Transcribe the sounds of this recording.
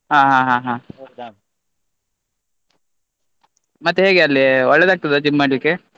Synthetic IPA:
ɦaːɦaːɦãːɦãː | mɐt̪ːeɦe̞ːɡeɐlːiɔɭːed̪aːɡ̚t̪ɐd̪ed͡ʒimːaːɽlikːe

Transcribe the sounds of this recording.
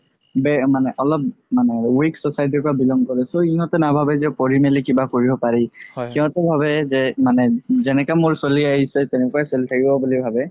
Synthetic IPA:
bɛmanɛʔɔlɔp̚manɛwiksɔsajt̬iɹpɔɹabilɔŋɡkɔɹɛsoiɦɔ̃tɛnabʱabɛzɛpoɹimelikibakoɹibɔpaɹikiɔ̃tɛbʱaβɛzɛmanɛzɛnɛkamʊɹsoliaɦisɛtɛnɛkuaseltʰakibɔbulibʱabɛ

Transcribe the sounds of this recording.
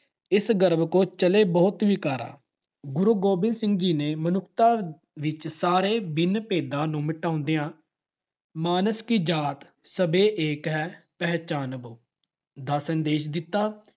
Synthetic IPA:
ɪsɡəɾbkõːt͡ʃəleːbɔːt̪ʋiːkaːɾa̰ː | ɡʊɾuːɡoːbɪ̃nd̪sɪ̃ŋɡd͡ʒiːneːmənʊkʰt̪aː | ʋɪt͡ʃsaːɾeːbɪnpeːd̪ãːnũːmɪʈaːʊ̃nd̪ejãː | maːnəskiːd͡ʒaːt̪ | səbeːʔeːkɦɛːpɛɦt͡ʃaːnboː | d̪aːsənd̪eːʃd̪ɪt̪ːaː

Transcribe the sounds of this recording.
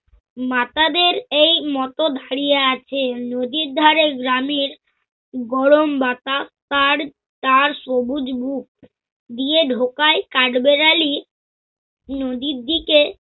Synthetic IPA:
mat̪ad̪eɾejmɔt̪od̪ʱaɾijeat͡ɕʰenod̪iɾd̪ʱaɾeɡɾameɾ | ɡɔɽombat̪at̪aɾ | t̪aɾʃobud͡ʑbuk̚ | d̪ieɖʱokaekaɖbeɾali | nod̪iɾd̪ike

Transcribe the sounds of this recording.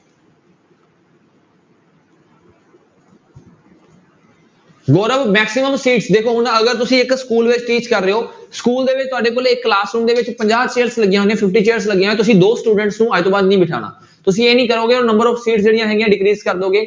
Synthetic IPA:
ɡoːɾəʋmɛːksɪməmsiːʈsd̪eːkʰoːɦʊnəɡəɾt̪ʊsĩːɪkskuːlʋɪt͡ʃʈiːt͡ʃkəɾːeɦoːskuːld̪eːʋɪt͡ʃt̪ʊaːɖeːp̬olɪkːlaːsɾũːɳd̪eːʋɪt͡ʃpəɲd͡ʒaːt͡ʃeːɾsləɡɪjãːnẽːpʰɪpʈiːt͡ʃeːəɾsləɡijãːɛ̃ːt̪ʊsĩːd̪oːsʈuːɖəɳʈsnũːaːt̪õːbaːd̪nĩːbɪʈʰa̰ːɽ̃a̰ː | t̪ʊsĩːeːnĩːkəɾoːɡeːnə̃mbəɾɔːfsiːʈsd͡ʒeːɽɪijãːɦɛːɡɪjãːɖɪkɾiːzkəɾd̪oːɡeː

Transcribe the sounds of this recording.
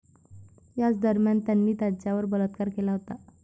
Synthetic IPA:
jat͡sd̪əɾmjant̪janːiːt̪jat͡ɕaʋəɾbələt̪kaɾkelaɦot̪a

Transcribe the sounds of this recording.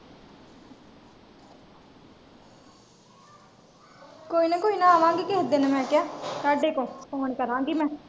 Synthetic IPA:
koːiːnə̃ːkoːiːnãːaːʋãːŋɡiːkɪɦəd̪eːnɛ̃mɛ̃ːkɪjaːsaːɖeːkõːskoːɳ̃ikəɾãːŋɡiːmɛ̃ː

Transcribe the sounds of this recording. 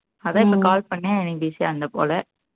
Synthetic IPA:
ɐðãːɪpːɐkaːlpɐɳːẽːɛnɪbiːsiɐnd̪ɐpo̰ːlɛ

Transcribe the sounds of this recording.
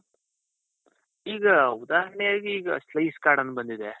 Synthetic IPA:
iːɡɐud̪aːɦɐɐɳɛjaːɡiiːɡɐ̰slɐjskaːɽɐnd̪ubɐnd̪id̪e

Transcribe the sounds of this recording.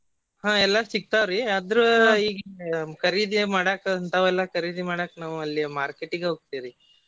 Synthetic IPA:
ɦãːɛlːasik̚t̪aʋɾiɐd̪ɾuiːɡekɐɾiːd̪imaːɽaːkɐnt̪aʋɛlːɐkɐɾiːd̪imaːɽaknaːʋuɐlːimaːɾkeʈːiɡeɦoːɡ̚t̪iɾi

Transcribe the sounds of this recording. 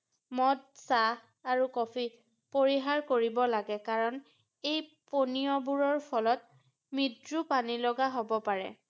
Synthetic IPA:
mɔd̚sa | aɹukɔpʰi | poɹiɦaɹkoɹibɔlaɡɛkaɹɔn | ejponiɔbuɹɔɹpʰɔlɔt̚ | mitɹupanilɔɡaɦobɔpaɹɛ̰

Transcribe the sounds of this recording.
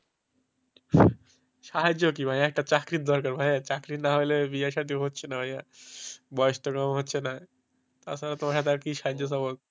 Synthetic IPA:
ʃaɦad͡ʑok̬ibʱããek̚ʈat͡ɕakɾit̪̚d̪ɔɾkaɾbʱajat͡ɕakɾit̪naɦojlebiaʃat̪̬iɦot̪ːt͡ɕʰenabʱaja | bɔjst̪ɔkamɦot̪ːɕʰena | t̪a̰salat̪omaʃat̪̬aɾkiʃaɦad͡ʑjos̬abot̪̚

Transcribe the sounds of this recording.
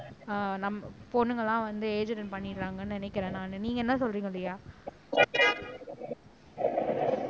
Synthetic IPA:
nɐmːɐfoːnːɯŋɡɐɭãːʋɐnd̪ɯeːd͡ʒɐɾɐnpɐɳːɪɾːaːŋɡɐnːɯnɪnɛkːɪɾẽːnãːnɯniːŋɡɐɛnːɐsɔlɾiːŋɡɐlːɐjaː

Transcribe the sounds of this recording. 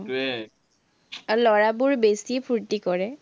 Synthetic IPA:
lɔɹabʊɹbesipʰuɹtikɔɹɛ

